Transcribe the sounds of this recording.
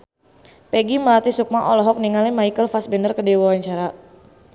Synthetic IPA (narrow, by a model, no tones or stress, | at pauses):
pɛɡiməlat̪isuk̚maʔɔlɔɦɔk̚niŋalimaikəlfasbɛndərkədɛwawaɲt͡ʃaɾa